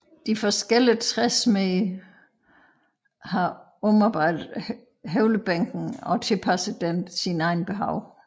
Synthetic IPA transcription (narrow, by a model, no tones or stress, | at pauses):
d̥ifɒsɡ̥el̰ət͡sʰʁɛsme | hɑ̈ | ɔ̽mɑ̈b̥ɑ̈ɪ̰d̥ð̩ˠ | ɦeʊləb̥æŋ̰ɡ̥n̩ɒ̽t͡sʰe̝lpʰæsð̩ˠd̥ensinɑ̈ɪn̩b̥e̝ɦɑ̈ʊ̰